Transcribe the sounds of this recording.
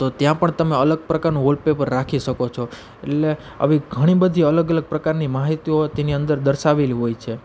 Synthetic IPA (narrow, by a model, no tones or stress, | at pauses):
t̪ot̪jãpəɳt̪əmeələɡ̚pɾəkaɾnũɦolpepəɾːakʰiʃəkot͡ʃʰo | eʈle | ə̰ʋiɡʱəɽ̃ibəd̪ʱiələɡələɡ̚pɾəkaɾnimaɦit̪iot̪eniə̃nd̪əɾd̪əɾʃaʋeliɦojt͡ʃʰe